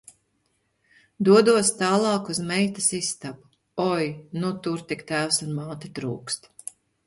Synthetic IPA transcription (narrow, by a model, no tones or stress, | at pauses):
d̪uɔd̪uɔst̪ɑːlˠɑːkuzmɛjt̪ɐsist̪abu | ɔjnut̪uɾt̪ikt̪æːwsunmaːt̪it̪ɾṵːkst̪